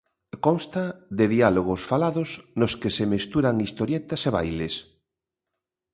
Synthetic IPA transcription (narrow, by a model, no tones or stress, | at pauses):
konst̪aðeðialoɣ̞osfalaðosnoskesemest̪uɾaŋist̪oɾjɛt̪aseβa̰jles